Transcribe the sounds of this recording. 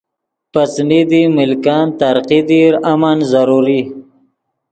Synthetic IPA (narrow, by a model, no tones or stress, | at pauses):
pat͡snid̪imɪlkɑnt̪aɾqid̪iɾamanzaɾuɾi